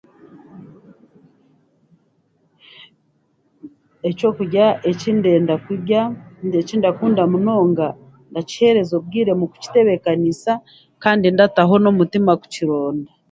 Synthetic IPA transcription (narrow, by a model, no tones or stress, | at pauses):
e̞co̞kuɟaʔecindeːndakɟaecindakuːndamuno̞ːŋɡa | ndaci̥he̞ɾe̞zo̞b̚ɡiːɾe̞muku̥ci̥te̞βe̞kanisa | kaːndindataɦo̞nomutimaku̥ciɾo̞ːnda